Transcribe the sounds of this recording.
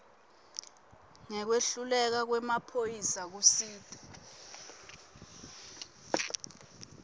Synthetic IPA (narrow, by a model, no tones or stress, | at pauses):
ŋɛk̬weɬulɛk̬ak̬wɛmapʰojisak̬usiːtʰʼḁ